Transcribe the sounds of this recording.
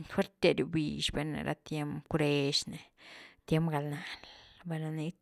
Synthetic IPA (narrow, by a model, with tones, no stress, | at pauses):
xwe˦ɾt̪e˧ɾju˧bi˨ʃbe˧nḛ˨ɾʔa̰˦t̪je˦mpkɾe˦ʃne˨t̪je˦mpɡa˨lna˨lbe˧na˧ni˦